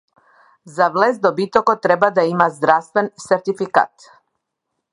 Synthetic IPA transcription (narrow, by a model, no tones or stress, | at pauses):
zavlɛzd̪ɔbit̪ɔkɔt̪ɾɛbad̪aimazd̪ɾafst̪vɛnsɛɾt̪ifika̰t̪